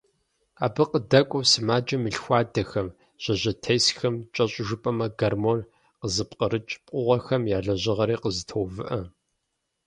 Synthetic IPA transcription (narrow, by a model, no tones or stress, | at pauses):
aːbɨqədɐkʷʼɔwsɨmaːd͡ʒɐmɨɬxʷaːdɐxɐm | ʑ̥ɐʑɐtʰɐjsxɐmt͡ʃʼɐɕʼʒʊpʼɐmɐɡɐrmon | qəzɨpqəɾɨt͡ʃʼpʼʊʁɐxɐmjaːɮɐʑɪʁɐɾiːqəzɨtʰowvɨʔɐ